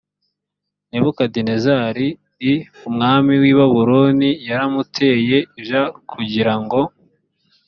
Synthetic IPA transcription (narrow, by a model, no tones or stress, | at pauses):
neβukadinezaːɾi | ɾiumŋaːmiwiːβaβuɾonijaɾamutʰe̞je̞iʒakʰuɟiɾaŋɡo̞